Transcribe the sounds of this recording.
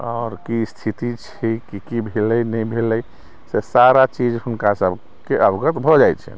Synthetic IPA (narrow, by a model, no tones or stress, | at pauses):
ɔːɾkist̪ʰit̪it͡ʃʰikikibʱeləjnɛbʱeləj | sesaɾat͡ʃid͡ʒhunkasəb | keʔəbɡət̪bʱɔd͡ʒaj̪t͡ʃʰɛ̰